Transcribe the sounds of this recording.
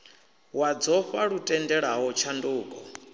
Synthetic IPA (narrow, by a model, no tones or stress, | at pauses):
wad͡zɔɸaɺutʼɛndɛɺaɦɔt͡ʃʰanduːkʼɔ